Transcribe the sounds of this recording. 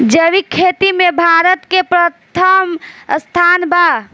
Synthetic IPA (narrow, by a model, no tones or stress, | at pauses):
d͡ʒəʋikʰet̪imebʱaɾət̪kepɾət̪ʰəmst̪ʰanba